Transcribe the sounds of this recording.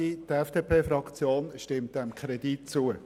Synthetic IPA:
id̥ɛfd̥eːpʰeːfɾɑkt͡sjoːnʃtɪmt̚d̥ɛmkʰɾɛd̥itt͡suə

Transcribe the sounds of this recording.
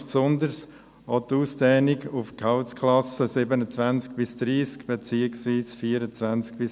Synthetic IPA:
spsʊnd̪əɾs | ot̪uːsd̥ɛːnɪɡʊfkʰaʊskʰlɑsəsɪbənət͡svænt͡sk̚b̥ɪsd̥ɾiːskb̥et͡siːəksviːsfiːɾət͡svænt͡sk̚b̥ɪs

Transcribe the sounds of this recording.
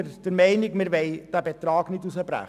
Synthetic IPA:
d̥əɾmɛɪnɪɡmɪɾʋɛɪd̥æbet̪ɾɑːɡnɪdusəbɾæ̰χ

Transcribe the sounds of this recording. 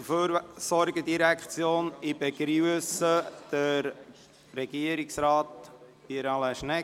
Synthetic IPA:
føɾsɔɾɡəd̪iɾækt͡sjoːnibeɡɾyəsəd̪̥əɾ | ɾɛɡ̥iəɾiksɾɑːt̪ | piɾɑlaʃnɛ

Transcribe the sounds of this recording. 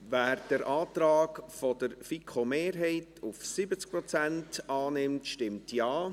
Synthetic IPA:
væːɾd̥əɾʔɑːtɾɑːkfɔdəɾfikʰomeːɾɦɛɪtʰufsɪbət͡sk̚pɾɔt͡sæntɑːnɪmtʃtɪmtjɑː

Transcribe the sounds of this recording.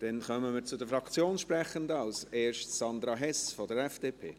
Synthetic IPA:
d̥ɛnχœməmɪt͡sʊdəfɾɑkt͡sjoːnʃpɾɛχəndəɑlseːɾʃtsɑnd̪ɾɑɦɛsfɔdəɾɛfd̥eːpʰḛː

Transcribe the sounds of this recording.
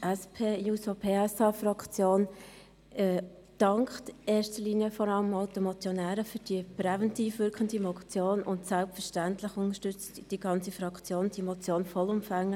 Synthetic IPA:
ʔɛspʰeːjuːsopʰeːɛsɑfɾɑkt͡sjoːn | ɛː | d̥ɑŋkχteːstəliːnjəfɔɾɑləmɑʊtəmɔt͡sjɔnæːɾəfyd̥iəpɾɛvɛntiːfʋʏɾkχəndimɔt͡sjoːnʊntsælpfəɾʃtæntlɪχʊnəʃtʏt͡sd̥iɡ̥ɑnt͡sifɾɑkt͡sjoːnd̥imɔt͡sjoːnfɔlʊmfæŋːə

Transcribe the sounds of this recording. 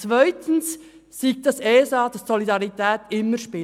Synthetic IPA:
t͡svaɪtʰən̩s | siːk̚t̚d̥ɑseːsɑːd̥ɑssɔlidɑʁitʰɛːtɪmːəʃpɪ

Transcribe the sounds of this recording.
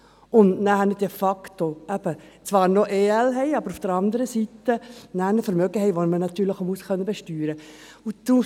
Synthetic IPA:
ʊndnæhɛnəd̥ɛfɑkt̪oæb̥ət͡svɑːɾnoʔeːɛlɦɛɪɑbəɾufd̥əɾɑnd̪əɾəsit̪ːənæhnəfəɾmœɡəɦɛɪʋonmənɑt̪yːɾləχomuskʰœnːəbeʃtyːɾə | ut̪u

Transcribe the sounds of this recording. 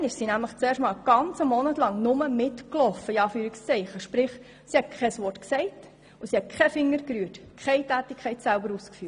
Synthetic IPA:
nɪʃsinæmləχt͡seːɾʃtmɑːlɡ̥ɑnt͡səmɔnətlɑŋnʊməmɪtklɔfəiɑːfyːɾikst͡sɛɪχəʃpɾɪχ | sihɛt̚kʰχɛsʋɔrtksɛɪt | usiɛt̚kʰχɛfɪŋːəɾkɾyətkʰɛɪtæːtikʰχɛɪtsælbəɾuːskfyː

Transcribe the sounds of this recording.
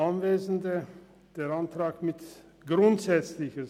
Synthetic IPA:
anveːzn̩də | d̥eːantʁ̥aːkmɪt | ɡ̥ʁʊntz̥ɛt͡slɪçə

